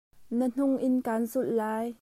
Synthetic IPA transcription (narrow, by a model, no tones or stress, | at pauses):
nan̥ʊŋʔɪnkaːnzullaːj